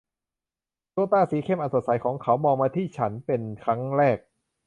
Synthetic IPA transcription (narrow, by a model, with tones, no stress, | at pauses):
t̪u˧˥˧t̪aː˥˩siː˨˩˦kʰe˥˩mʔaː˧nso˨˩t̪̚sa˨˦jkʰɔː˩˦ŋkʰa˦˥wmɔː˧maː˧t̪ʰiː˥˩t͡ɕʰa˦˥npe˧nkʰa˦˥ŋɾɛː˥˩k̚